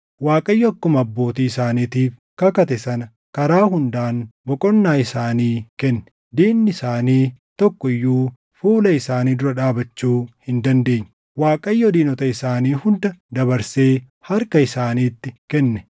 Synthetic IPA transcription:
waːkʼɐjːɔɐkːʊmɐɐbːo̞ːt̪iːɪsaːniːt̪iːf | kɐkɐt̪ɛsɐnɐ | kɐɾaːɦʊnd̪aːnbɔkʼɔnːaːɪsaːniːkɛnːɛ̥ | d̪iːnːɪɪsaːniːt̪ɔkːɔɪjːuː | fuːlɐɪsaːniːd̪ʊɾɐᶑaːbɐt͡ʃːuːhɪnd̪ɐnd̪e̞ːɲː | waːkʼɐjːɔd̪iːnɔt̪ɐɪsaːniːhʊnd̪ɐd̪ɐβɐɾseː | hɐɾkɐɪsaːniːt̪ːɪkɛnːɛ̥

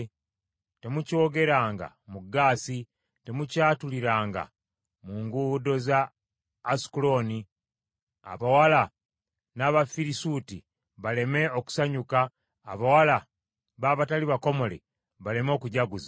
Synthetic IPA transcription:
te̞muco̞ːɡe̞ɾaːŋɡa̰muɡaːsi | te̞mucaːtuliɾaːŋɡa̰ | muːŋɡudo̞zaː | si̥kulo̞ni | a̰βawala | naβafiɾisuti | βale̞me̞o̞ku̥saɲukaː | βawala | βaːβataliβako̞mo̞lḛ | βale̞mo̞ːkuɟaɡuza

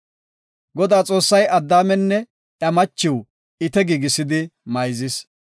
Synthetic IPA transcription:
ɡɔd̪aːt͡sʼo̞ːsːɐjʔɐd̪ːaːmɛnːɛ | ʔjɐmɐt͡ʃːɪw | ɪt̪ɛɡiːɡɪsɪd̪ɪmɐjzɪs

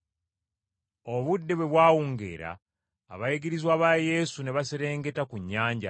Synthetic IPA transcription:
oβudːe̞βwe̞βwaːwuŋɡe̞̰ːɾa̰ː | βajiɡiɾizwaːβaje̞sune̞βaseɾe̞ːŋɡe̞takuɲːaːɲɟa̰

